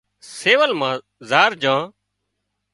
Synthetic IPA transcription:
seːʋəlmãː | zaːɾd͡ʒãː

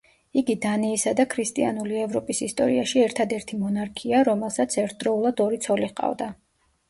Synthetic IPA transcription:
iɡid̪anɛːsad̪akʰɾist̪ʼḭa̰nuliɛvɾɔpʼisist̪ʼɔ̰ɾiaʃiɛɾt̪ʰad̪ɛɾt̪ʰimɔnaɾkʰiaɾɔmɛlˠsat̪sʰɛɾt̪̚ʰd̪ɾɔulˠad̪ɔɾit̪sʰɔliqʼa̰vd̪a

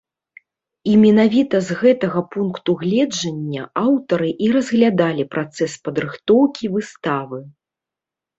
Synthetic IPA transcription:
imʲɛnavʲit̪ɐzɣɛt̪ɐɣɐpunkt̪uɣlʲɛd͡ʐɐnʲːɐawt̪ɐɾɨʔiɾɐzɣlʲad̪alʲipɾʔat̪sɛspɐd̪ɾɨxt̪ɔwkʲivɨst̪avɨ

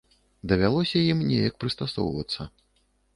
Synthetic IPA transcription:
d̪ɐvʲalˠɔsʲɐjimnʲɛjɐk̚pɾɨst̪asɔ̰wvɐ̰t̪sːɐ

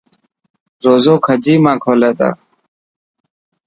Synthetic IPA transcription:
ɾoːzoːkʰəd͡ʑiːmãːkʰoːleːt̪a̰ː

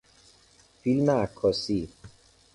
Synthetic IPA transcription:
filmeakʰːɔsi

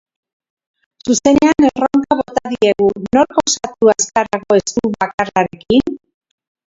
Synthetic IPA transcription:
suse̞ne̞aneroŋkaβ̞o̞t̪aðie̞ɣuno̞ɾko̞skat̪uaskaɾaɣo̞e̞skuβakaraɾe̞kin

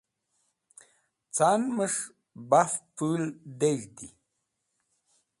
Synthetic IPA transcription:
t͡saːnməʂ | bafpuld̪eʐt̪i

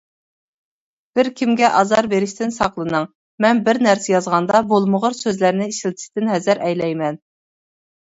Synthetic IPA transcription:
b̥ɪɾkʲʰimɡʲɛʔɑzɑɾbeɾɪʃt̪ɪnsɑqlˠɨnɨŋ | mɛnbɪɾnæɾsɛjɑzʁɑnd̪ɑbolˠməʁəɾsøzlæɾnɪiʃilt̪ʰɪ̥ʃt̪ɪnhɛzɪɾɛjlɛjmɛn

